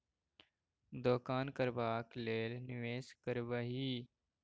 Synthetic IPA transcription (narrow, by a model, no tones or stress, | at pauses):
d̪oːkaːnkəɾbaːkleːlnɪʋeːskəɾʋəɦiː